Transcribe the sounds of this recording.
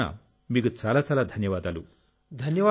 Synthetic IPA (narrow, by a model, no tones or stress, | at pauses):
a̰ | miːɡut͡saːlat͡saːlad̪ʱɐnjɐʋaːd̪aːlu | d̪ʱɐnjɐʋ